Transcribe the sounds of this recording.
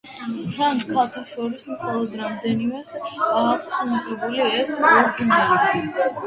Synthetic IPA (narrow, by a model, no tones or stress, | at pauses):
tʰɾaŋɡkʰalˠt̪ʰaʃɔɾismχɔlˠɔd̪ɾamd̪ɛnimɛsaːχsuniqʼɛbuliɛsɔɾd̪inaɾi